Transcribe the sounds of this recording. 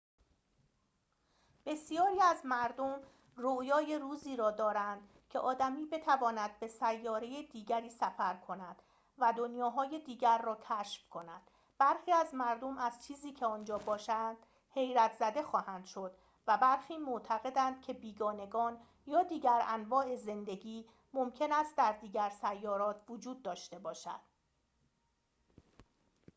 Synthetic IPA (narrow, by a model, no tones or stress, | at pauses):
b̥e̞sijɒːɾiːæzmæɾd̪om | rojɒːje̞ɾuːziːɾɒːd̪ɒːɾænd̪̥ | cʰeʔɒːd̪æmiːbe̞t̪ʰævɒːnæd̪̚be̞sæjːɒːɾe̞jed̪iːɡæɾiːsæfæɾkʰo̞næd̪̥ | væd̪o̞njɒːɦɒːje̞d̪iːɡæɾːɒːcʲʰæʃfkʰo̞næ̰d̪̥ | b̥æɾxiːæzmæɾd̪o̞mæz̥t͡ʃʰiːziːcʰe̞ɒːnd͡ʒɒːbɒːʃænd̪̥ | he̞jɾæt̪ʰzæd̪e̞xɒːhænd̪̥ʃo̞d̪̥ | væbæɾxiːmoʔt̪ʰæɣe̞d̪ænd̪̚cʰe̞biːɡɒːne̞ɡɒːn | jɒːd̪iːɟæɾænvɒːʔe̞ze̞nd̪e̞ɡiː | momcʰe̞næst̪̚d̪æɾd̪iːɡæɾsæjːɒːɾɒːt̪ʰvod͡ʒuːd̪̚ːɒːʃt̪e̞bɒːʃæ̰d̪̥